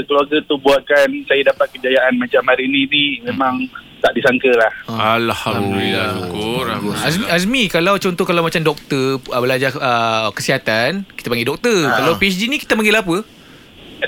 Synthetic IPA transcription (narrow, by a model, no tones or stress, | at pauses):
kəluaɡat̪ubuat̪̚kansajadapat̪̚kəd͡ʒajaʔanmat͡ʃamaɾininimemãŋ | t̪aʔdisaŋkəlahalhadduliakuasmasmikalawt͡ʃɔnt̪ɔhkalawmat͡ʃamdɔk̚t̪əəbəlad͡ʒaəkəsiɦat̪anki̥t̪apaŋɡidɔk̚t̪ərkalawpiɛsd͡ʒinikit̪apaŋɡelapə